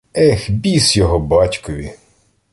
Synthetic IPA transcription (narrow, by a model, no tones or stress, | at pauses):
ɛxbʲisjɔɦɔbɑtʲkɔʋʲi